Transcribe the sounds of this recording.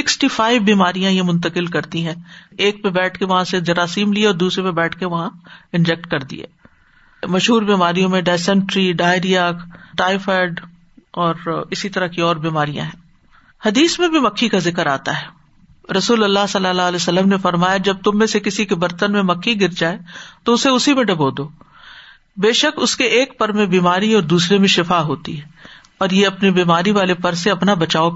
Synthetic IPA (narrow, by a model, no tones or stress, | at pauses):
sɪksʈifaːɪʋbiːmaːɾijãjemʊ̃nt̪̬əkɪlkɐɾt̪iɦɛ̃ːeːk̚pebɛːʈʰkeʋɐɦãsed͡ʒɐɾaːsiːmlieɔːɾd̪uːsɾepebɛːʈʰkeʋɐɦãɪ̃nd͡ʒɛk̚ʈkɐɾd̪ḭḛː | mɐʃɦuːɾbiːmaːɾijõmẽɖɛːsɛ̃ɳʈɾiɖaːɪɾijakʈaːɪfɛːɖ | ɔːɾɪsit̪ɐɾakiɔːɾbiːmaːɾijã̰ɦɛ̃ː | hɐd̪iːsmẽbʱimɐkʰːikazɪkəɾaːt̪a̰ɦɛː | ɾɐsuːlɐlːaɦsɐlːalalesɐlːəmnefɐɾmaːjad͡ʒɐb̚t̪ʊmːẽsekɪsikebɐɾt̪ənmẽmɐkʰːiɡɪɾd͡ʒaːet̪oʊseʊsimẽɖɐboːd̪oː | beːʃəkʊskeʔeːkpɐɾmẽbiːmaːɾiɔːɾd̪uːsɾemẽʃɪfaːɦoːt̪ḭɦɛː | ɔːɾjeɐpnibiːmaːɾiʋaːlepɐɾseɐpnabɐt͡ʃaːo